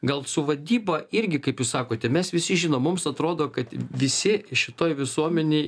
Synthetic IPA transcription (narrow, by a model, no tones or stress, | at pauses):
ɡɐlˠsʊʋɐd̪ʲiːbɐɪɾʲɡʲɪkɐɪpjuːsɑːkoːt̪ʲɛmʲɛsʋʲɪsʲɪʒʲɪnoːmmʊmsɐt̪ɾoːd̪oːkɐt̪ʋʲɪsʲɪʃʲɪt̪oːjʋʲɪsuɔmʲɛnʲej